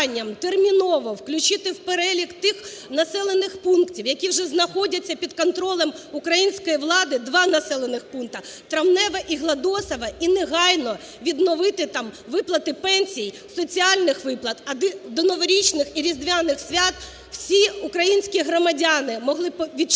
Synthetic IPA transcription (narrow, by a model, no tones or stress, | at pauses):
nʲːɐmt̪ermʲinɔʋɔwklʲʊt͡ʃɪt̪ɪwpeɾɛlʲikt̪ɪxnɐsɛlˠenɪxpunktʲiwjɐkʲiwʒɛznɐxɔdʲɐt͡sʲːɐpʲid̪kɔnt̪ɾɔlˠɛmukɾɐjinʲsʲkɔjiʋlˠɑd̪ɪd̪ʋɑnɐsɛlˠenɪxpunkt̪ɐt̪ɾɐmnɛʋɐʔiɦlˠɐd̪ɔsɐʋɐineɦɑjnɔ | ʋʲid̪nɔʋɪt̪ɪt̪ɑmʋɪplˠɐt̪ɪpɛnʲsʲij | sɔt͡sʲiɑlʲnɪxʋɪplˠɐt̪ɐd̪ɪd̪ɔnɔʋɔɾʲit͡ʃnɪxiɾʲizd̪ʋʲanɪxsʲʋʲat̪ | w̥sʲiukɾɐjinʲsʲkʲiɦɾɔmɐdʲanɪmɔɦlˠɪpʋʲi